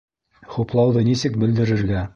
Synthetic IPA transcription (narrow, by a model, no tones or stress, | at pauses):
χuplˠɑwðɤnisɘk̚bɘ̆ld̪ɘ̆ɾɘ̆ɾɡæ